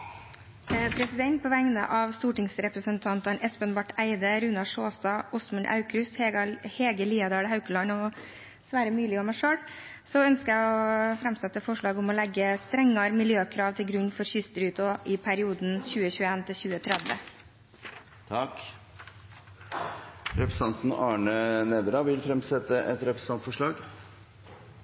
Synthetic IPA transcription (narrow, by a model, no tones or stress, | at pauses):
pʰɾɛsɪd̪ɛnt̪̚pʰoːʋæŋnə̰ʔɑʋst̪uːʈɪŋsɾɛpɾəsənt̪ʰɑnt̪ɑnɛspənbɑʈːæɪd̪əɾʉnɑʂoːst̪ɑʊsmənʔɑ̰ʉkɾʉsheːɡəliːɑd̪æːɖəhɑʉkəlɑnɔ | sʋæːɾəmʉːlɪɔmæɪʂøːɽ | sɔœnskəæɪɔfɾɛmsɛt̪ːəfɔʂɭɑːɡʊmɔlɛɡːəst̪ɾɛŋːɑɾmɪljøːkʰɾɑːʋt̪ʰɪlɡɾʉɲːfɔɾçʏst̪əɾʉːt̪ɔʔɪpʰæɾɪuːd̪nçʉːəçʉːəeːnt̪ʰɪlçʉːət̪ʰɾɛd̪ʋə̰ | t̪ʰɑk | ɾɛpɾəsɑnt̪n̩ɑːɳənɛd̪ɾɑʋɪlfɾɛmsɛt̪ːəʔɛt̪ɾɛpɾəsɑnt̪fɔʂɭɑːɡ